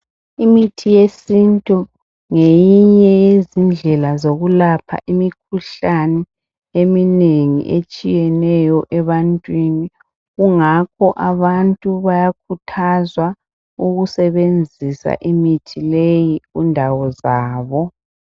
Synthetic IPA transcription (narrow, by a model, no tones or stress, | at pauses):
imitʰijesintʼu | ŋejiɲɛjezind͡ɮʱɛlazoɣulapʰa̰ʔimikʰuɬanɛ | emineŋḭʔet͡ʃʼijɛnɛjɔʔɛβantʼwini | ɣuŋakʰɔʔaβantʼuβajak̚ʰutʰazwa | uɣusɛβend͡zʱisa̰ʔimitʰilejiɣṵndʱawɔzaːβɔ